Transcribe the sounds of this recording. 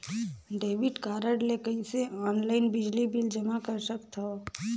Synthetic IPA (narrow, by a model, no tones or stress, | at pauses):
ɖeːʋɪʈkaːɾəɖlekəɦĩseɔːnlaːɪnbɪd͡ʒlibɪld͡ʒɐmakəɾsəkt̪a